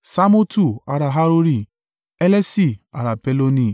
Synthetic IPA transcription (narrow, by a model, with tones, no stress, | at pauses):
sa˦mo˦tu˦˨a˨ɾa˨ɦa˦ɾo˦ɾi˦ | e˦le˦si˦˨a̰˨ɾa˨pe˦lo˦ni˦˨